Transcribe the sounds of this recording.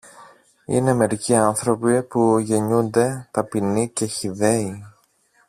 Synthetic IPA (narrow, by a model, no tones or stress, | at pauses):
ḭne̞me̞ɾiciɐnθɾo̞pipuʝe̞ɲund̪e̞t̪ɐpinice̞çiðe̞i